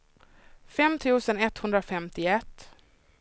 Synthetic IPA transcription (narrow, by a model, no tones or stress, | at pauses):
fɛmt̪ʰʉ̟ːsənɛt̪hɵnd̪ɾafɛmt̪ɪɛt̪ː